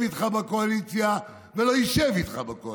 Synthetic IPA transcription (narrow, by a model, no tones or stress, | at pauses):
vit̪χabako̞alit͡sja | velo̞iʃɛvit̪χabako